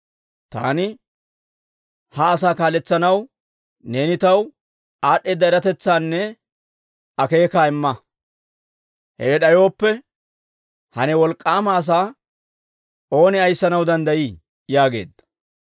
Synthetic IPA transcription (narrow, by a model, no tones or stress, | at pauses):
t̪a̰ːnɪ | hɐːsaːkaːlɛt͡sːɐnɐw | ne̞ːnɪt̪ɐw | aːɗːeːd̪ːɐɛɾɐt̪ɛt͡sːaːnːɛ | ɐke̞ːkaːɪmːɐ | heːɗɐjo̞ːpːɛ | hɐnɛwɔlkʼːaːmaːs̬aː | o̞ːnɪɐjsːɐnɐwd̪ɐnd̪ɐjiː | jaːɡe̞̰ːd̪ːɐ̥